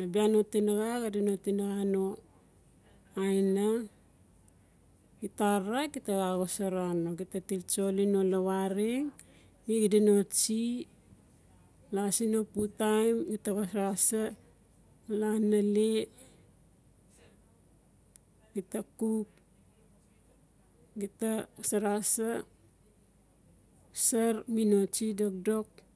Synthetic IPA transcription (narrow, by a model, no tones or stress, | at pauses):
labiano̞tinaɡaɡadino̞tinaɣano̞ | ajna | kitaɾakitaɣaɡosaɾano̞kitatilt͡ʃo̞linolawaɾiŋ | iɡidino̞t͡ʃi | lasino̞putajmɡitaɣosɾasa | lanale | ɡitakup̚ | ɡitasaɾasa | saɾmino̞t͡ʃidok̚do̞k̚